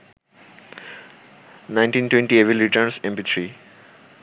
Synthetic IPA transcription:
nãɪ̃ɳʈĩːnʈwẽɳʈieʋilɾiʈəɾnsẽmpit̪ʰɾiː

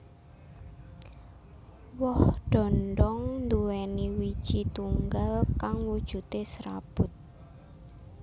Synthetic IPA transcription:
wɔhɖ̥ɔ̤nɖ̪ɔŋnd̪uwɛniwi̥ʒ̥it̪uŋɡalkaŋwud̥ʒ̥ṳt̪esɾa̰b̥ʊt̪̚

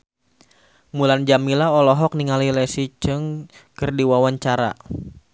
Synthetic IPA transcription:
muland͡ʒamilaɔlɔɦɔk̚niŋalilɛsit͡ʃɨŋkɨrdiwawaɲt͡ʃaɾa̰

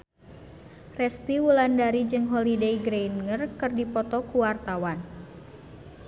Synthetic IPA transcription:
rɛst̪iwulandaɾid͡ʒɨŋɦɔlidejɡɾejnŋərkɨrdipɔt̪ɔkuwart̪awan

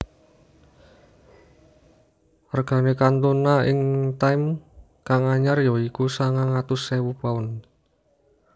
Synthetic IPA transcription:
arɡ̥a̤nekant̪unaɪŋt̪ajm | kaŋaɲarjɔikusaŋaŋat̪ʊsewupaʊn

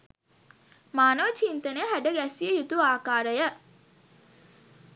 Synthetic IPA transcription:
maːnəʋət͡ʃint̪ənəjɦæɖəɡæsiəjut̪uaːkaːɾəjə

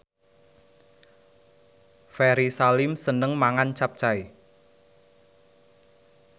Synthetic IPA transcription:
fɛɾisalɪmsənəŋmaŋant͡ʃap̚t͡ʃai

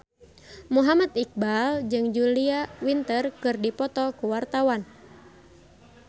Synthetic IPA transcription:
muɦamat̪ik̚bald͡ʒɨŋd͡ʒuliawint̪ərkɨrdipɔt̪ɔkuwart̪awan

